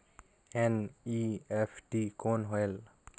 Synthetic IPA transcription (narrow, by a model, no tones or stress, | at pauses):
ɛniɛfɖikonɦel